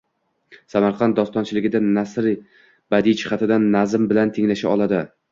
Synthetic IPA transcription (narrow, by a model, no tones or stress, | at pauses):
samaɾqʰɑnt̪̚d̪ɒst̪ɒnt͡ʃʰɪlɪɡʲɪd̪anasɾ | b̥ad̪it͡ʃʰɪ̥χat̪ʰɪd̪anːazɪmbɪlant̪ʰeŋlaʃaɒlˠad̪ɪ